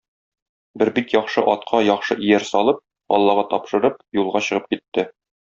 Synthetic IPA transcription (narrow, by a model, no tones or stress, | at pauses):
bɘɾbikjɒχʃɤʔɒt̪̚qʰɑjɒχʃɤʔijæɾsɒlˠɤp̚ | ɒ̰lˠːɑʁɑt̪ɒpʃɤ̆ɾɤp̚julˠʁɑɕɤ̆ʁɤp̚kit̪ːɘ